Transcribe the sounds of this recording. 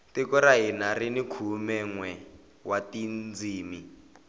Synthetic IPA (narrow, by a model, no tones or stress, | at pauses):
tikuɾaɦinarinikʰumɛŋwɛ | watind͡ziːmi